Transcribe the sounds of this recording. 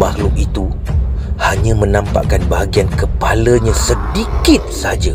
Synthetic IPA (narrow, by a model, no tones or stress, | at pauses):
mahlʊkit̪u | haɲãmə̃nãmpa̰ʔkanbaɦaɡiankəpalaɲãsədikɪt̪̚sad͡ʒa